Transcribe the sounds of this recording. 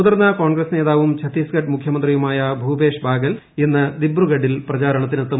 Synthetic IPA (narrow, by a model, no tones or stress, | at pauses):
ðɐrnːɐkoːɳɡrɐsne̞ːðaːʋumt͡ɕʰɐt̪ːiːskɐʈmukʰjɐmɐnd̪rijumaːjɐbʱuːbe̞ːʂbʱaːɡɐl | enːɨd̪ibruɡɐɖilprɐt͡ɕaːɾɐɳɐt̪̬ːinɐt̪ːu